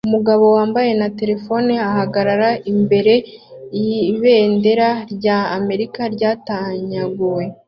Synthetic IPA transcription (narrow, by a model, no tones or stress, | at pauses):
umuɡaβo̞waːmbaje̞nate̞ɾe̞fo̞niahaɡaɾaɾaimbe̞ɾe̞ | iβe̞ːnde̞ɾaɾɟaːme̞ɾikaɾɟaːtaɲaɡuwe̞